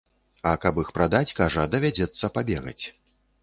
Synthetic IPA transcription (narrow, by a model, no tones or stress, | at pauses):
ɐkɐpixpɾad̪at͡sʲkaʐɐd̪ɐvʲad͡zʲɛt̪sːɐpabʲɛɣɐ̰t͡sʲ